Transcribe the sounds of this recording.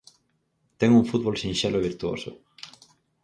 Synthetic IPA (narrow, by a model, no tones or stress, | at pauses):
t̪ɛŋuŋfut̪̚βolsĩnʃeloβiɾt̪uo̰sʊ̰